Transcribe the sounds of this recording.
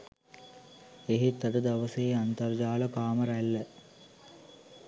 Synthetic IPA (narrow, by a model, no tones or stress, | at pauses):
eɦet̪ːɐd̪əd̪ɐʋəseant̪ɐrd͡ʒaːləkaːməɾælːə